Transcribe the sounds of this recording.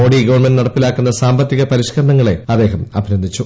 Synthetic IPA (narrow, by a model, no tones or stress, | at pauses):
oːɽiɡoʋɐɳmɐnnɐɽɐpːilaːkːunːɐsaːmbɐt̪ːiɣɐpɐɾiɕkɐɾɐɳɐŋːɐɭe̞ɐd̪ːe̞ːɦɐmɐ̰bʱinɐnd̪it͡ɕːu